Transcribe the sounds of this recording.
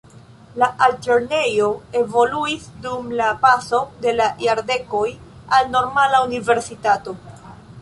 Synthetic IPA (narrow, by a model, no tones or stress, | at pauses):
laʔalt͡ʃeɾne̞jo̞e̞vo̞luisdumlapaso̞de̞lajaɾde̞ko̞j | alno̞ɾmalaunive̞ɾsitato̞